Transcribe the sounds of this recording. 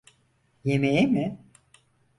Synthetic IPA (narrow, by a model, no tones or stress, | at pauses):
jemejemɪ